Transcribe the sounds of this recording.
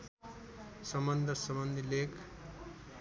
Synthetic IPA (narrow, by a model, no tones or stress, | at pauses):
sʌmʌnd̪ʌɾsʌmʌnd̪ʱilekʰ